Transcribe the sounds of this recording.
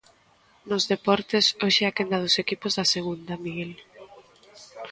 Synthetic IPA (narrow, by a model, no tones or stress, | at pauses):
nʊzðepɔɾt̪esoʃeakend̪ɐð̞ʊsekipʊzðaseɣ̞und̪amiɣel